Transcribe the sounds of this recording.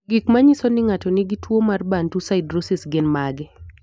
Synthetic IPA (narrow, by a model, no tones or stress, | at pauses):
ɡɪkmaɲisonɪŋatɔnɪɡitwomarbantusaɪdɾosɪsɡɪnmaɡɛ